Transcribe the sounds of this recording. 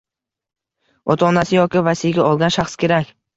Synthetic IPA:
ɒt̪ʰaːnasɪjɒkʲɪvasɪjɡʲaɒlˠɡʲanʃaχskʲʰe̞ɾakʲ

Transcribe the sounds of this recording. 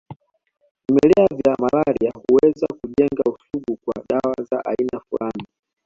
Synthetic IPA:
vimɛlɛavjamalaɾiahuwɛzakuʄɛŋɡausuɡukwa̰ɗawazaʔainafulani

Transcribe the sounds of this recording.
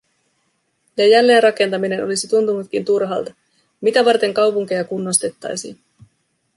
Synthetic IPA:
jɑjælːe̞ːnrɑke̞nt̪ɑmine̞no̞lisit̪unt̪unut̪kint̪urɦɑ̰ːlt̪ɑ | mit̪æʋɑrt̪e̞ŋkɑwpuŋk̟e̞jɑkunːost̪e̞t̪ːɑ̰jsḭːn

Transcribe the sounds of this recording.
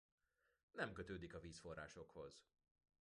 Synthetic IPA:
nɛmkøt̪øːd̪ikɒviːsfo̞rːa̰ːʃo̞kho̞z̥

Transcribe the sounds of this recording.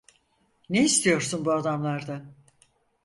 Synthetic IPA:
neist̪ʰijo̞ɾsunbuad̪amlˠaɾd̪a

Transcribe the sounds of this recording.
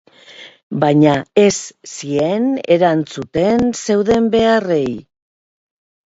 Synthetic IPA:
bajɲae̞sːie̞ne̞ɾant͡sut̪e̞nse̞wðe̞mbe̞are̞j

